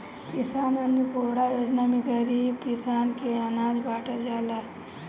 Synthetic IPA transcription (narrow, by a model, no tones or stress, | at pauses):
kisaːnənupoːɽajoːd͡ʒnameɡəɾiːbkisaːnkeanaːd͡ʒbaːʈəld͡ʒaːla